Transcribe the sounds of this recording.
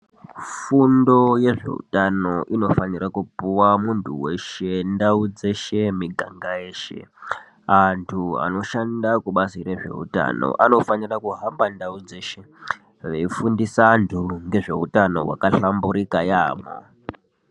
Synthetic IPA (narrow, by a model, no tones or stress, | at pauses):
fundo̞je̞ʐe̞̰ṵtano̞ʔino̞fanirakupuwamuntʰuwe̞ʃe̞ndaud͡ze̞ʃe̞miɡʱaŋɡajeːʃḛ | antʰua̰no̞ʃandakuɓaziɾe̞ʐe̞̰ṵta̰no̞̰ʔano̞fanirakuɦambandaud͡ze̞ʃe̞ | ʋeifundisantʰuŋɡe̞ʐe̞̰utano̞̰wa̰kaɬambuɾikajaːmo̰